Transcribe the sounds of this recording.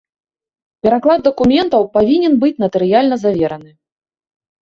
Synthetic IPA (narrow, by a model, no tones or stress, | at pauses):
pʲɛɾaklˠad̪ːɐkumʲɛnt̪ɐwpavʲinʲɛnbɨt͡sʲmɐt̪ɨɾɨjalʲnɐzavʲɛɾɐnɨ